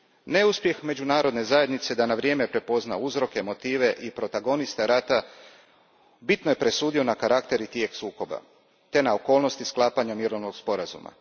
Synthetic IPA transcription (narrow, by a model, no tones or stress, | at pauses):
ne̞uspje̞xme̞d͡ʒunaːɾo̞d̪ne̞zaje̞d̪nit̪se̞d̪anaʋɾje̞ːme̞pɾe̞po̞znauzɾo̞ke̞mo̞t̪iːʋe̞ʔipɾo̞t̪aɡo̞nist̪eɾaːt̪a | bit̪no̞je̞pɾe̞suːd̪io̞nakaɾakt̪e̞ɾit̪jeksuːko̞ba̰ | t̪e̞nao̞ko̞ːlno̞st̪isklˠaːpaɲamiɾo̞ʋnoɡspo̞ɾazṵma̰